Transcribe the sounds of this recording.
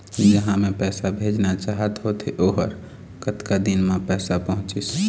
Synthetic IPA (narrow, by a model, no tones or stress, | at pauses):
d͡ʒəɦãmẽpɛːsabʱeːd͡ʒnat͡ʃaɦət̪ɦot̪eʔoːɦə̰ɾ | kət̪kad̪inmẽpɛːsapəɦʊ̃t͡ʃis